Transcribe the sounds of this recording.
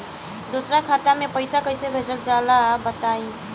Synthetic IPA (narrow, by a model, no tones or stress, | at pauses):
d̪osɾakʰat̪amepəɪsakəjsebʱed͡ʒəld͡ʒalabət̪ai